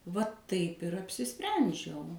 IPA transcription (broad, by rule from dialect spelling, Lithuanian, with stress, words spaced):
ʋɐ tɐɪp ɪr ɐpʲsʲɪˈsʲpʲrʲɛnʲd͡ʒʲɛʊ